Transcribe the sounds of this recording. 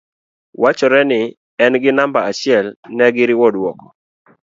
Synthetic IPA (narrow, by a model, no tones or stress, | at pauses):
wat͡ʃɔɾɛnɪ | ɛnɡɪnambaat͡ʃɪɛlnɛɡɪɾɪwɔdwɔkɔ̥